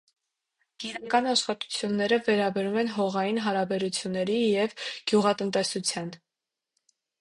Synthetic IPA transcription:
ɡ̥inɑkɑnɑʃχɑt̪u̥t͡sʰjunːɛɾəvɛɾɑbɛɾumɛnɦɔʁɑjinɦɑɾɑbɛɾut͡sʰjunːɛɾijɛvɡ̥juʁɑt̪ənt̪ɛsut͡sʰjɑn

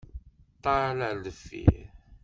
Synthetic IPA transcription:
t̪ˤːɑɾlæləfːḭ

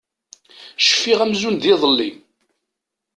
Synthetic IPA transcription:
ʃə̥fːiʁæmzund̪iðˤəlːi

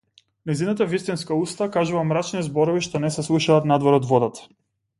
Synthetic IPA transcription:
nɛzinat̪avist̪inskaust̪akaʒuvamɾat͡ʃnizbɔɾɔviʃt̪ɔnɛsɛslˠuʃaːt̪nad̪vɔɾɔd̪vɔd̪at̪ḁ

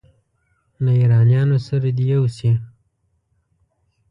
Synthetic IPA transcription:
laiɾɑnjɑnosaɾad̪ijawse

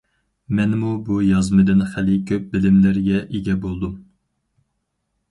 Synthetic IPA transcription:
mɛnmubujɑzmɨd̪ɨnχælɪkʲʰøp̚bɪlɪmlæɾɡʲɛʔeɡʲɛbolˠd̪um

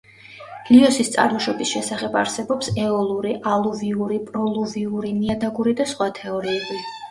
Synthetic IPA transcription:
ɡ̥liɔsist̪sʼa̰ɾmɔʃɔbisʃɛsaχɛba̰ɾsɛbɔpsɛɔlˠuɾiʔalˠuviuɾipʼɾɔlˠuviuɾiniad̪aɡuɾid̪asχwat̪ʰɛɔɾiuli

